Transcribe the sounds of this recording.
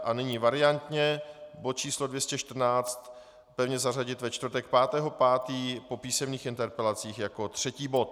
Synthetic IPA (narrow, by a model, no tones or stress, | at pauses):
ʔanɪɲiːvaɾɪant̪ɲɛbot̪̚t͡ʃiːslodvjɛscɛʃt̪r̩naːt͡st̪ | pɛvɲɛzar̝aɟɪt̪vɛt͡ʃt̪vrt̪ɛk̚paːt̪ɛːɦo̞paːt̪iːpo̞piːsɛmɲiːxɪnt̪ɛɾpɛlat͡siːxjako̞t̪r̝̥ɛciːbo̞t̪